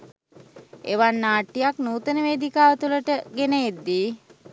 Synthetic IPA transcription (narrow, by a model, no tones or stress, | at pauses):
ḛʋanːaːʈːijaknuːt̪ənəʋeːd̪ikaːʋət̪uləʈəɡenəjed̪ːi